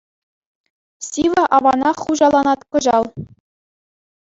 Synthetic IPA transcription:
sʲiʋɑʔɑʋɑnɑχuʑɑlˠɑnɑt̪kɤ̆ʑɑlˠ

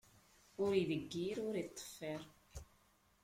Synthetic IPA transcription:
ʊɾiðəɡːiɾʊɾit̪ˤːə̥fːɛɾˤ

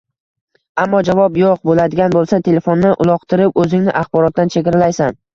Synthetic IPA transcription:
amːɒd͡ʒavɒpjoq̚bolad̪ɪɡʲanbolˠsat̪ʰe̞le̞fonːɪʔʊlˠɒqt̪ʰɪɾɪpɵzɪŋnɪʔaχbɒɾɒt̪̚ːant͡ʃʰekʲɪɾɪlajsan

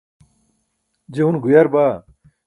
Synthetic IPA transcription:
d͡ʑeunɡujɐɾba

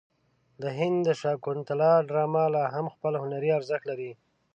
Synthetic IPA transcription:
d̪əɦɪnd̪d̪əʃɑkʊnt̪alɑɖɾɑmalɑɦamxpəlhʊnaɾiaɾzəxlaɾi

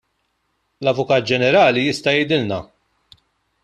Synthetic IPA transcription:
lɐvʊkɐːt̪̚d͡ʒɛnɛɾɐːlijɪst̪ɐjɛjd̪ɪlnɐ

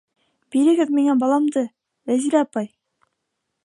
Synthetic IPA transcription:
b̥iɾɘ̆ɡɘðmiŋæbɑlˠɑmd̪ɤ | væziɾæɑpɑj

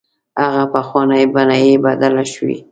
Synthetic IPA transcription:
aɣapaxwanajbanajibad̪alaʃwḭ

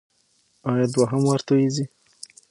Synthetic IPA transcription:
ɑjɑd̪waɦamwaɾt̪ojizi

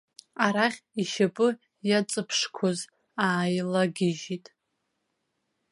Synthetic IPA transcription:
aɾaχʲiʃapʼɨ | jat͡sʼɨpʰʂkʷʰoz | aːjlaɡʲɪʒitʼ

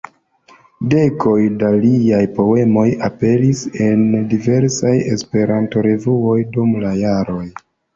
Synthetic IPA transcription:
de̞kʰo̞jdaliajpo̞e̞mo̞jape̞ɾise̞ndive̞ɾsaje̞̰spe̞ɾanto̞ɾe̞vuo̞jdumlajaɾo̞j

